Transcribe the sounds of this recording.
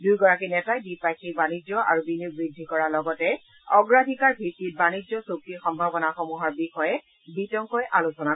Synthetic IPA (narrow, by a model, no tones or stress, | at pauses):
dujɡɔɹakinɛtajbipakikbanid͡ʒɔʔa̰ɹubinubɹidʱːikɔɹalɔɡɔtɛ | ɔɡɹadʱikaɹbʱitːit̚banid͡ʒɔsokːixɔmbʱabɔnaxɔmuɦaɹbixɔjɛ | bitɔŋkɔjʔalosɔna